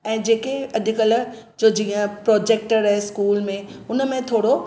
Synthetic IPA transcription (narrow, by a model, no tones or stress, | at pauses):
ɛ̃ːd͡ʑeːkeɐd̪ʱɪkəl | d͡ʑoːd͡ʑiːə̃pɾoːd͡ʑeːk̚ʈəɾɦeskuːlmẽʊnəmẽt̪ʰoːɽo